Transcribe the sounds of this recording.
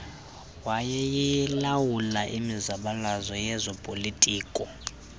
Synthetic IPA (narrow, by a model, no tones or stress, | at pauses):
wajɛjijɛlawulaʔimizaɓalazɔjɛzɔpʼolitʼiːkʼɔ